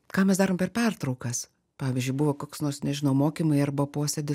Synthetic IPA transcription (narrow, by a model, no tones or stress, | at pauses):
kɑːmʲɛsd̪ɑːɾoːmpʲɛrpʲɛrt̪ɾɐʊkɐs | pɑːʋʲɪzʲd͡ʒʲʊɪbʊʋɐkoːksnoːrsnʲɛʒʲɪnɐʊmoːkʲimɐɪɐɾbɐpoːsʲed̪ʲɪs